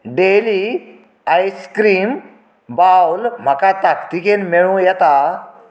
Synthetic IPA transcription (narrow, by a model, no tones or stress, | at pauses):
ɖeli | ajskɾiːm | bawlm̤akat̪akt̪ikenmeɭũjɛt̪a